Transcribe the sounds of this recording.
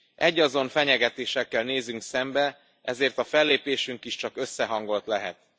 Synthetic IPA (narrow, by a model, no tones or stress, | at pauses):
ʔɛɟːɒzo̞ɱfɛɲɛɡɛt̪eːʃɛkːɛlneːzyŋksɛmbɛ | ʔɛzeːrt̪ɒfɛlːeːpeːʃyŋkiʃt͡ʃɒkø̞sːɛɦɒŋɡo̞lt̪lɛɦɛt̪